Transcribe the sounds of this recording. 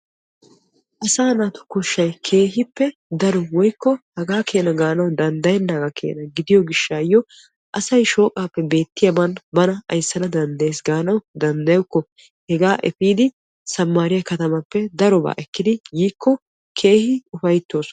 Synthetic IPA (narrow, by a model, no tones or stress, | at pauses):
ʔɐsaːnaːt̪ʊ̥kɔʃːɐjkʰe̞ːɦɪpːɛd̪ɐɾɔwɔjkːɔhɐɡaːkʰe̞ːnɐɡaːnɐwd̪ɐnd̪ɐjɛnːɐɡɐkʰḛːnɐɡɪd̪ɪjɔɡɪʃːaːjːɔ | ʔɐsɐjʃo̞ːkʼaːpːɛbe̞ːt̪ːɪjɐmɐnbɐnɐɐ̰jsːɐnɐd̪ɐnd̪ɐjeːsɡaːnɐwd̪ɐnd̪ɐjʊkːɔ | hɛɡaːʔɛfiːd̪ɪ | sɐmːaːɾɪjɐkɐt̪ɐmɐpːɛd̪ɐɾɔba̰ːʔɛkːɪd̪ɪjiːkːɔ | kʰe̞ːhɪʊfɐjt̪ːo̞ːs